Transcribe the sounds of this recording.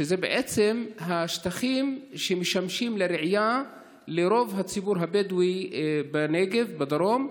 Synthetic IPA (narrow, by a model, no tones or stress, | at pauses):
ʃezebeʕet͡semɦaʃt̪aχimʃemeʃamʃimleɾeʕja | leɾo̞vɦat͡sibuɾɦabed̪wibeneɡevbad̪aɾom